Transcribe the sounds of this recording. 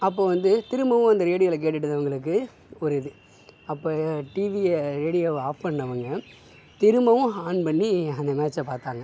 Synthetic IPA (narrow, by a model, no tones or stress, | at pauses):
ɐpːoːʋɐnd̪ɯt̪ɪɾɯmbɐʋʊ̃ɐnd̪ɐɾeːɽɪjɐlɐk̬eːʈːɯʈːɯðɐʋɐŋɡɐɭɯk̬ːɯ | ɔɾɪðɯ | ɐpːoːʈiʋiɾeːɽɪjoaːppɐɳɖɐʋɐŋɡɐ | t̪ɪɾɯmbɐʋʊ̃aːnpɐɳːiɐnd̪ɐmaːt͡ʃːɐpaːɾt̪aːŋɡɐ